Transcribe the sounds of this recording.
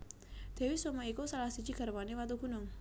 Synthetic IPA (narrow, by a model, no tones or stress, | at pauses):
d̪̥e̤wisomaikusalahsi̥d͡ʒiɡ̥a̤ɾwanewat̪̬uɡ̥ṳnʊŋ